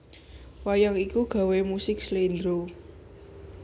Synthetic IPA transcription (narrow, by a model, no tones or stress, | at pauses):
wajaŋikuɡ̥a̤wemusɪkslend̪ɾo